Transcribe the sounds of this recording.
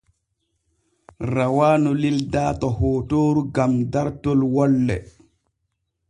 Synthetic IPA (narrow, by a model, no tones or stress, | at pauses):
ɾawaːnɔlildaːtɔhɔːtoːɾuɡamdaɾtɔlwɔlːɛ̰